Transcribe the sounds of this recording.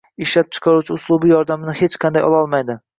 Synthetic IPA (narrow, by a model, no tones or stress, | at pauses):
ɪʃlap̚t͡ʃʰɨ̥qʰɑɾut͡ʃʰɪʊslˠubijɒɾd̪amɪnɪhet͡ʃqʰɑnd̪ajɒ̰lˠɒlˠmajd̪ɪ